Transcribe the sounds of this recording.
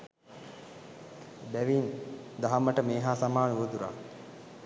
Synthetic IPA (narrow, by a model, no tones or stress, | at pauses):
bæʋind̪aɦamːəʈəmeːɦaːsamaːnuʋəd̪uɾa̰